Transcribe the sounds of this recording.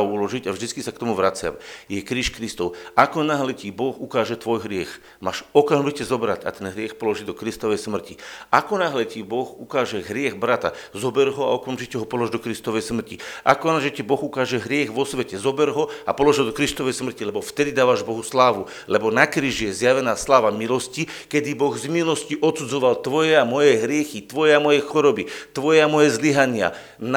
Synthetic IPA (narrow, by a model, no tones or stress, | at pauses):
ulɔʒicavʒd̪it͡skisakt̪ɔmuʋɾat͡sɪa̰mjɛkɾiːʃkɾist̪ɔʊakɔnaɦlɛcibɔxukaːʒɛt̪ʋɔjɦɾɪɛx | maːʃɔkamʒicɛzɔbɾaca̰t̪ɛnɦɾɪɛxpɔlɔʒiːd̪ɔkɾist̪ɔʋɛjsmr̩ciʔakɔnaɦlɛcibɔxukaːʒɛɦɾɪɛɣbɾat̪a̰zɔbɛɾɦɔa̰ɔkamʒicɛɦɔpɔlɔʒd̪ɔkɾist̪ɔʋɛjsmr̩ciʔakɔnaʒɛcibɔɣukaːʒɛɦɾɪɛɣʋɔsʋɛcɛzɔbɛɾɦɔa̰pɔlɔʒɦɔd̪ɔkɾist̪ɔʋɛjsmr̩cilɛbɔft̪ɛd̪id̪aːʋaʒbɔɦuslaːʋu | lɛbɔnakɾiːʒijɛzjaʋɛnaːslaːʋamilɔscikɛd̪ibɔɣzmilɔsciʔɔt̪sud͡zɔʋalt̪ʋɔjɛamɔjɛɦɾɪɛxit̪ʋɔjɛamɔjɛxɔɾɔbit̪ʋɔjɛamɔjɛzliɦaɲɪa̰ | n